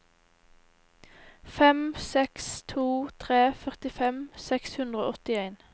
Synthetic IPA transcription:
fɛmsɛkst̪ʰuːt̪ʰʁeːfœʁt̪ɪfɛmsɛkshʉnd̪ʁo̰ːɔt̪ɪeɪn

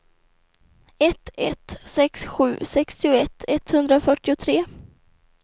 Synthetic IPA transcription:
ɛt̪ɛ̰t̪sɛksɧʉ̟ːsɛkst̪ɪʊɛt̪ʰːɛt̪hɵnd̪ɾafœʈːɪʊt̪ʰɾeː

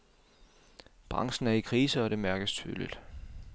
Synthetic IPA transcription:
b̥ʁɑ̈ŋsn̩æɐikʰʁiːsəɒ̽ɾe̝mæɐɡ̥əst͡sʰy̰ːlḭd̥

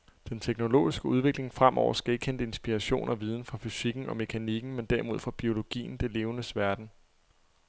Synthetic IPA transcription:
d̥ent͡sʰeɡ̥no̝lo̝̰ːisɡ̥əuð̞ˠʋe̝ɡ̥le̝ŋfʁam̰ʔɒ̰ʊ̰ɐsɡ̥æe̝ɡ̥əkʰend̥əe̝nsb̥iʁɑɕo̝̰ːnɒ̽ʋið̞ˠn̩fɑ̈fysiɡ̥n̩ɒ̽me̝kʰæniɡ̥n̩mend̥æɐimo̝ð̞̰ˠfɒb̥io̝lo̝ɡ̥ḭːn̩d̥e̝le̝ːʊnəsʋæɐd̥n̩

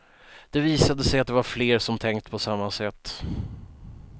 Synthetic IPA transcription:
d̪̥ɛviːsad̪əsɛjat̪d̪ɛvaɾfleːɾʂɔmt̪ʰɛŋkt̪pʰɔsamːasɛt̪ː

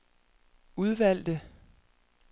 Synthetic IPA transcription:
uð̞ˠʋæl̰d̥ə

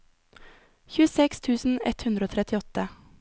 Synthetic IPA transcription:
çʉːəsɛkst̪ʰʉːsn̩ɛ̰t̪hʉnd̪ɾəoːt̪ʰɾɛt̪ɪɔt̪ə

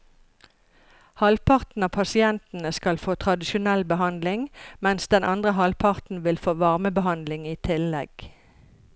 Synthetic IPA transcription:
hɑlpʰɑʁt̪n̩ɑːpʰɑsɪɛnt̪n̩əskɑlfoːt̪ʰʁɑd̪ɪʃʊnɛlbəhɑnd̪lɪŋmɛnsd̪ɛnʔɑnd̪ʁəɦɑlpʰɑʁt̪n̩ʋɪlfoːʋɑʁməbəhɑnd̪lɪŋiːt̪ʰɪlɛɡ̥

